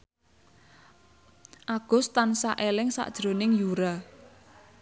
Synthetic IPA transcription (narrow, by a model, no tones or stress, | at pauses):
ʔaɡ̥ʊ̤st̪ansaʔelɪŋsa̰ʔd̥ʒ̥ɾo̤nɪŋjuɾa